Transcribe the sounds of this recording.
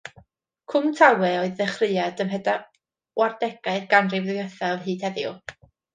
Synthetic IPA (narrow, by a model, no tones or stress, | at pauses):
kʰʊmtʰawɛɔɨðːɛχrɨadəmɦɛda | wardɛɡ̥aɨrɡ̥anriwðɨəθavhiːd̥hɛðjʊ